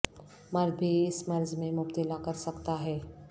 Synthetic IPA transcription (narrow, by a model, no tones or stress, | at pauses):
mɐɾbʱiɪsmɐɾzmẽmʊpt̪ɪlakɐɾsɐkt̪aɦɛː